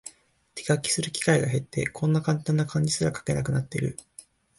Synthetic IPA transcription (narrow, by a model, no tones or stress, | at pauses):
t̪ʰe̥ɡakʲːi̥sɨɾɯ̟kʲi̥kaiɡaɦe̞t̪ːe̞̰kʰõ̞nːakãnt̪ãnːakãɲ̟d͡ʑisɨɾakḁke̞nakɯ̟nat̪ːe̞iɾɯ̟